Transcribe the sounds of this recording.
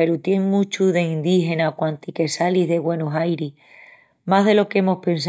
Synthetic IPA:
eɾut̪je̞ŋmũt͡ʃuðe̞ind̪ihe̞nakwant̪ike̞saliɦðe̞ɣwe̞noɦajɾih | maɦðe̞lo̞ke̞mo̞hpe̞ns̬

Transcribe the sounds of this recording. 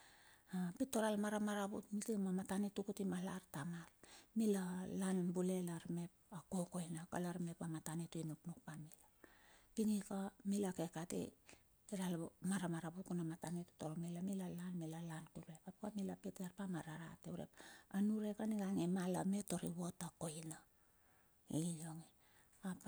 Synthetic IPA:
apito̞ɾalmaɾamaɾabṵtmitimamatanitukutimalartamalmilalanbule̞laɾme̞pako̞ko̞jnaka̰laɾme̞pamatanituinupnukpamilapiŋikamilakekatḛ | iɾalmaɾamaɾabukunamatanetu̥toɾomilamilalanmilalankuɾepapukamilapeteɾpamaɾaɾa̰teuɾḛpanuɾe̞kaniɡaŋemala̰me̞to̞ɾḭwo̞tako̞jna | ilo̞ŋi | ap

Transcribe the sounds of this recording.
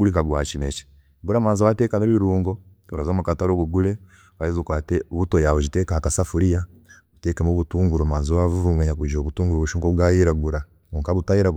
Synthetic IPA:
ɡulikaɡwa̰t͡ʃimet͡ʃi̥ | ɡuɾamaːnzawateːkaneβiɾuːŋɡo | oɾazomukataɾoβuɡule | βajizukwaːteβutojaβod͡ʒitekahakasafuɾija | βuteːkemoβutuːŋɡuɾomaːnzowavuβumweɲakud͡ʒoːβutuːŋɡuɾoβuʃuːŋɡoβɡajiɾaɡuɾa | oŋkaβutajiɾa

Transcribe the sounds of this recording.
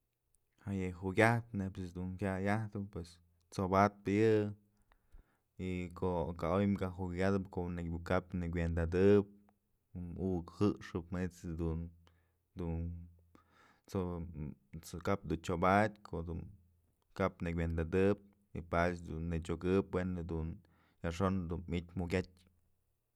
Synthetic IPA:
hajeɦuɡʲaht̪nepsɨd̪uŋkʲajaht̪ɨpwes | t͡sobat̪̚pajɨ | ikoʔkaojmkaɦukʲad̪ɨpkonekʲbukapnɨk̬ʲwend̪ad̪ɨp̚ | ukhɨʔʂɨpmnit͡sd̪un | d̪un | t͡so | kap̚d̪unt͡ʃobadʲkʰoʔd̪un | kapnɨkʲʷend̪ad̪ɨp̚ | ḭpat͡ʃd̪ṵnːɨt͡ʃʲoɡɨpwenɨd̪un | jaʂond̪unmit̪ʲmuɡʲatʲ

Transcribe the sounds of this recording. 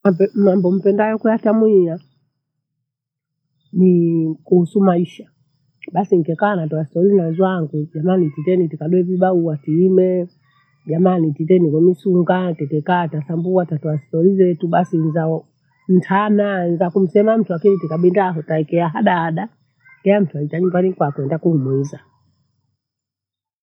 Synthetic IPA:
apɛmambɔm̩pɛndajɔkujatamwia | nikuhusumaiʃa | ɓasiŋ̩kɛkaːnatɔastɔɾinazwaŋɡuʄamanititɛnitikaɗuɛviɓauwatiimɛ | ʄamanititɛnikɔmisuŋɡatɛtɛkaːtasambuatatɔastɔɾizɛtuɓasinzaɔ | m̩tʰananzakum̩sɛmam̩tuakinitikaɓindaɦɔtaɛkɛaɦaɗaːɗa | kɛam̩tuaitaɲumbanikwakɛndakuhumuiza

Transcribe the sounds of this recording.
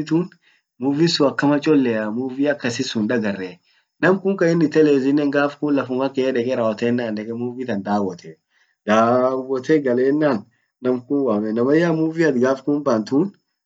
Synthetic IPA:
t̪uːn | muːvɪsʊɐkːɐmɐt͡ʃʼɔlːɛamuːviɐkːɐsɪsʊnᶑɐɡɐrːɛ | nɐmkʊŋkɐɪnːɪt̪ːɛleːzɪnːɛŋɡaːfkunlɐfʊŋɐkɛᶑɛkɛɾawɔt̪eːnːaːnᶑɛkɛmuːvit̪ɐnd̪aːwɔt̪ʰɛ | d̪̥aːwɔt̪ʰɛɡɐleːnːaːnː | ɐmkunwaːmɛnɐmɐjamuvɪɐt̪ɡaːfkuːnbaːnt̪uːn

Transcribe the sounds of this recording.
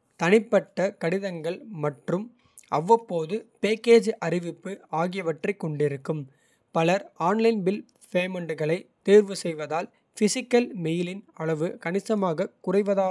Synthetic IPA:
t̪ɐnɪpːɐʈːɐkɐɽɪðɐŋɡɐɭmɐʈrɯm | ɐʋːɐpːoːðɯpeːkeːd͡ʒʔɐrɪʋɪpːɯaːɣɪjɐʋɐʈrɐɪkːɔɳɖɪɾɯkːɯm | pɐlɐɾaːnlɐɪnbɪl | feːmɐɳɖɯɣɐɭɐɪt̪ːiːɾʋɯsɛjʋɐðaːl | fɪsɪkːɐlmɛjɪlɪnɐɭɐʋɯkɐnɪsɐmaːɣɐkʊrɐɪʋɐðaː

